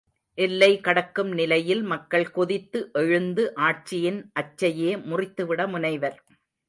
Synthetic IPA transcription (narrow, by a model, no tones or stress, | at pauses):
ʔɛlːɐɪkɐɽɐkːɯmnɪlɐjɪlmɐkːɐɭkɔðɪt̪ːɯʔɛɻɯnd̪ɯʔaːʈ̚t͡ʃɪjɪnʔɐt͡ʃːɐjeːmʊrɪt̪ːɯʋɪɽɐmʊnɐɪʋɐɾ